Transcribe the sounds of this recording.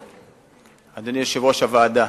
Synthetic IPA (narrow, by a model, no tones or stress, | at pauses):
ad̪aniʃevoʃavaːd̪a